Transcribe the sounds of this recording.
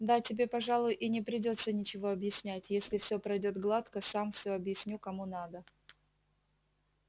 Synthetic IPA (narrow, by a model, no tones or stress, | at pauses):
d̪atʲɪbʲe̞pɐʐalˠʊjʊʔinʲɪpɾʲɪdʲo̞t̪sənʲɪt͡ɕɪvo̞ɐbjɪsʲnʲætʲjesʲlʲɪfsʲopɾɐjdʲo̞t̪ɡlˠat̪kəsamfsʲɵɐbjɪsʲnʲukɐmunad̪ə